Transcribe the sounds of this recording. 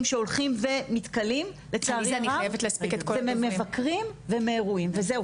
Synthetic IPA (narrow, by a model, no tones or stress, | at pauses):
mʃeolχimve̞mit̪kalimlet͡saːʁzaniajevetleaspiket̪̚koememːevakʁimve̞meːʁuimvezeu